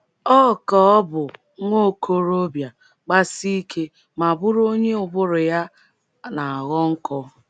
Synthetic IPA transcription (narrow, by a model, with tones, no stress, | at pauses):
ɔ˦˨kɔ˨ɔ˦bʊ˨˦ | ŋʷo˦˨kʰo˦ɾo˦bja˨ | k͡pa˦si˦kʰe˦ | ma˨bʊ˦ɾo˦ɲe˦ʊ˨bʊ˦ɾʊ˨ja˦ | na˨a˨ɣɔ˦ŋ̩˦kʰɔ˦